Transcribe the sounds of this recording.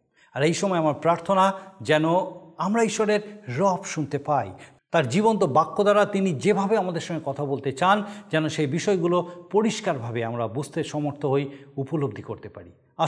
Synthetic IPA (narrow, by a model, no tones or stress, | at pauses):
aɾejʃɔmɔeamaɾpɾaɾt̪ʰonad͡ʑɛnoamɾaiʃoɾeɾɾɔpʃunt̪epaj | t̪aɾd͡ʑibont̪obakːod̪aɾat̪inid͡ʑebʱabeamad̪eɾʃɔŋɡekɔt̪ʰabolt̪et͡ɕand͡ʑɛnoʃejbiʃɔeɡulopoɾiʃkaɾbʱabeamɾabud͡ʑʱt̪eʃɔmoɾt̪ʰoɦojupolob̚d̪ʱikoɾt̪epa̰ɾḭ | a